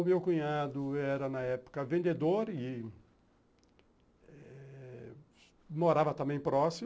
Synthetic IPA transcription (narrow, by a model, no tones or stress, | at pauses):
ʊmewkũɲad̪ʊɛɾɐnɐɛpʊ̥kɐvẽnd̪ed̪oɾɪ | ɛ | moɾavɐt̪ɐ̃mbẽj̃pɾɔsi